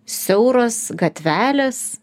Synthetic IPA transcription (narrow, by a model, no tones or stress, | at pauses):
sʲɛʊɾoːsɡɐt̪ʲʋʲæːlʲes